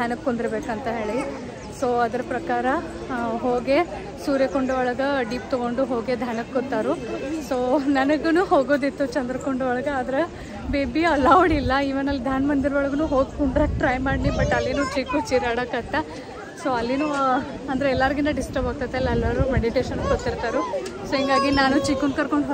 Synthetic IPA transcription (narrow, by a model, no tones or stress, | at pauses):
d̪ʱjanɐkkond̪iɾɐbeːkɐnt̪ɐɦe̞ːɭi | soːɐd̪ɐɾɐpɾɐkaːɾɐ | ɦoːɡe̞ | suːɾjɐkoɳɖuʋɔɭɐɡɐɖiːpt̪ɔɡo̞ɳɖuɦo̞ːɡed̪ʱaːnɐkkot̪ːaːɾusoːnɐnɐɡɐnuːɦoːɡoːd̪it̪ːut͡ʃɐnd̪ɾɐkoɳɖuʋɔɭɐɡɐaːd̪ɐɾe | beːbiɐlːaːʋuɽilːɐiʋɐnɐlːd̪ʱaːnmɐnd̪iɾʋoɭɐɡɐnuːɦoːɡkuɳɖɾɐkʈɾɐjmaːɽnibɐʈːɐlːinuːt͡ʃiːkut͡ʃiːɾaːɽɐkɐt̪ːɐ | soːɐlːinuː | ɐnd̪ɐɾeɛlːaːɾiɡind̪ɐɖisʈɐɾbaːɡ̚t̪ajt̪eɐlːɛlːɐɾumeɽiʈeːʃɐnkot̪ːiɾt̪aːɾusoːɦiŋɡaːɡinaːnut͡ʃikunkɐɾkoɳɖɦ